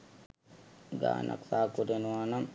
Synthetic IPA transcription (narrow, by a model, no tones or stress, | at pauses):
ɡa̰ːnʔa̰ksaːkudenwanam